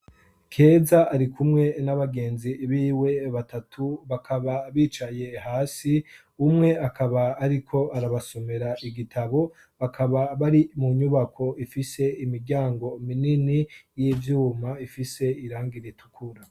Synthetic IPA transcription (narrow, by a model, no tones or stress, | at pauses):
kʰe̞zaʔːɾikʰumŋe̞naβaɡe̞ːnziβiːwe̞βatʰatʰuβakʰaβaβiːt͡ʃaje̞haːsi | umŋe̞akʰaβaːɾikʰo̞ʔaɾaβaso̞me̞ɾaʔiɡitʰaβo̞ | βakʰaβaβaɾimuɲuβakʰo̞ʔifise̞imiɾɟaːŋɡo̞mininijivjuːmaifise̞iɾaːŋɡiɾitʰu̥kʰuɾa